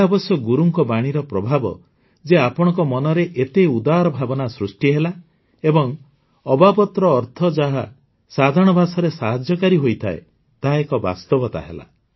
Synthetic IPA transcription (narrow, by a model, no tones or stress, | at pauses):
abɔsjɔɡuɾuŋkɔbaɽ̃iɾɔpɾɔbʱabɔ̰ | d͡ʒeapɔɽ̃ɔ̃ŋkɔmɔnɔɾeʔet̪eud̪aɾɔbʱabɔnasɾusʈiɦela | ebɔŋ | ɔbapɔt̪ɾɔːɾt̪ʰɔd͡ʒaɦa | sad̪ʱaɽ̃ɔbʱasɔɾesaɦad͡ʒjɔkaɾiɦojt̪ʰaḛ | t̪aɦaekɔba̰st̪ɔbɔt̪a̰ɦḛla̰